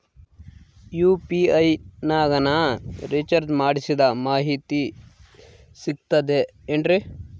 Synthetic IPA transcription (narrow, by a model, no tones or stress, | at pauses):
juːpiɐjnaːɡɐnɐɾit͡ʃɐɾd͡ʒmaːɽisid̪ɐmaːɦit̪i | siɡ̚t̪ɐd̪eː | ɳɖɾi